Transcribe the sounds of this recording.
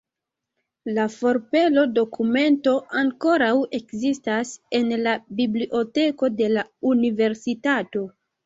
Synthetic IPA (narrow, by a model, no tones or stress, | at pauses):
lafo̞ɾpe̞lo̞do̞kʰume̞nto̞ʔaŋko̞ɾawe̞kzistase̞nlabibliʔo̞te̞ko̞de̞launive̞ɾsitato̞